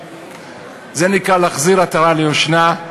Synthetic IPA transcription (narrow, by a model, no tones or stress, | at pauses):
zenikʁalaχziʁat̪aʁalejoʃna